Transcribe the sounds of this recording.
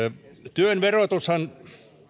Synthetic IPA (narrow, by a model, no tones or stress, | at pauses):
t̪yønʋerot̪ushɑn